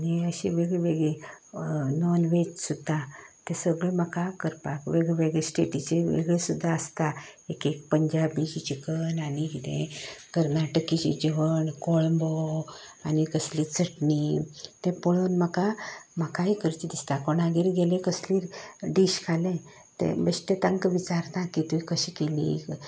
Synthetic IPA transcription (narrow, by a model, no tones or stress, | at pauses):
niəɕiʋeɡɭeʋeɡɭi | nɔnʋet͡ɕsud̪at̪ɛ̃səɡɭem̤əkakəɾpakʋeɡɭeʋeɡɭesʈeʈit͡ɕeʋḛɡɭesud̪ʱːaəst̪aekek̚pəɲd͡ʑabit͡ɕit͡ɕikənanikit̪ḛ̃kəɾnaʈəkit͡ɕḭd͡ʑiʋəɳkoɭmbɔanikəslit͡sʰəʈnit̪ẽpoɭonm̤əkam̤akaikəɾt͡ɕ̪id̪ist̪akoɳaɡiɾɡelẽkəsliːɾɖiɕkʰalɛ̃ | t̪ḛbəɕʈ̪et̪aŋkəʋit͡ɕaɾt̪ãkit̪uikəɕikelḭ